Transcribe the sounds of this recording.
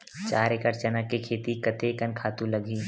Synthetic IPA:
t͡ʃaːɾekəɾt͡ʃɐnakekʰeːt̪ikɐt̪ekɐnkʰaːt̪ũlɐɡʱiː

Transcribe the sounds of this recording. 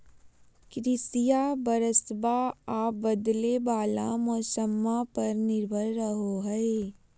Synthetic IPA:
kɾɪsijabəɾəsbaaːbɐd̪lebaːla̰mɔːsəmːapɐɾnɪɾbʱəlɾəɦoɦɛe

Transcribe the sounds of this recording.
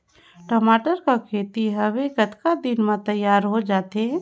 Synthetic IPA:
ʈəmaːʈəɾkakʰeːt̪iɦɐʋeɡət̪kad̪ɪnmãt̪əjːaːɾɦod͡ʒaːt̪e

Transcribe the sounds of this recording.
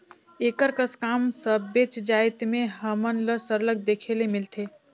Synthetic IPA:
eːkəɾkəskaːmsəbet͡ʃd͡ʒaːɪt̪mẽɦəmənləsəɾləɡ̚d̪ekʰelemɪlt̪ʰeː

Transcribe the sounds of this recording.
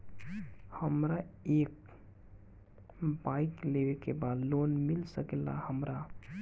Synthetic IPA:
həmɾaek | baiklewekebad̪lonmilsəkɛla̰həmɾa

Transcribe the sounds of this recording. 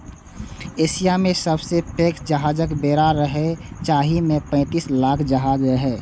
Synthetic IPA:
eːsijamẽsəbsepeːkd͡ʒəɦaːd͡ʒəkbeːɾaɾəɦet͡ʃaːɦimẽpə̃ɪ̃t̪islaːkʰd͡ʒəɦaːd͡ʒɾəɦeː

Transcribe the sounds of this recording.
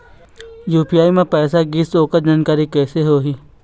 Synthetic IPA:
juːpijaːimẽpɛːsaɡiːsoːkəɾd͡ʒaːnkaːɾikɛːseɦoːɦiː

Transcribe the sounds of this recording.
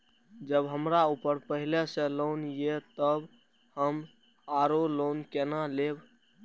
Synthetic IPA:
d͡ʒəbɦəmɾaupəɾpəɦilesẽlonjet̪əb | həm | aɾolonkenaleb

